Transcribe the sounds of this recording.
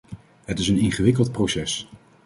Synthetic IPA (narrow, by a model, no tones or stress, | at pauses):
ɦətɪsənɪŋχəʋɪkəlˠt̚prowsɛs